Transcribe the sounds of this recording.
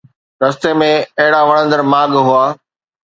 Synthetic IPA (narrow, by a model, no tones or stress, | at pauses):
ɾɐst̪emẽɐɦɪɽaʋɐɽ̃ə̃nd̪əɾmaːɠɦʊaː